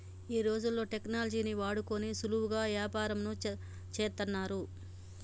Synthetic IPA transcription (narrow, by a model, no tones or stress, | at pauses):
iːɾo̞ːd͡ʒulːo̞ːʈe̞knaːlɐd͡ʒiːniʋaːɽukonisuluwuɡaːʋjaːpaːɾɐmnu | t͡ʃeːɾt̪ɐnːaːɾu